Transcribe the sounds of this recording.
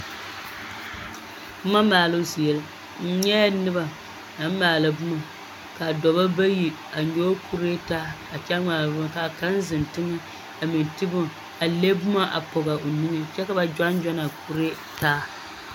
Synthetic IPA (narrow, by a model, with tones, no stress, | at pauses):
bʊ˦ma˦maː˨lo˦si˨jɛ˨l | n̩˦ɲɛ˦nɨ˦ba˨ | na˨m̩˦maː˨lɨ˨bʊ˦ma˨ | ka˨dɔ˨ba˦ba˦ji˨ | a˨ɲoː˦kʰu˦ɾe˦taː˦ | a˨t͡ʃɛ˦ŋaː˨lbʊ˦ma˨ka˨ka˦n˦zɨ˨n˨tɨ˦ŋɨ˦ | a˨mɪ˨n˨tɨ˦bʊ˦ | a˨le˦bʊ˦ma˦ʔa̰˨po˨ɣa˨o˨nɨ˦nɨ˦t͡ʃɛ˦ka˨ba˦d͡ʒa˦nd͡ʒa˦na˨ku˦ɾe˦ | taː˦